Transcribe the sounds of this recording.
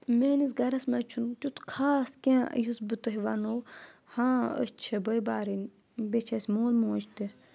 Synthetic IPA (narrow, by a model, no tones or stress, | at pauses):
meːnis̬ɡɐɾɐsmɐt͡ʃʰunt̪ʲut̪kʰaːskʲḛ̃ːjusbɨt̪uɦiʋɐnohãːə̰sʲt͡ʃʰebəjbaːɾinʲ | bet͡ʃʰɐsʲmoːlmoːt͡ʃʰt̪i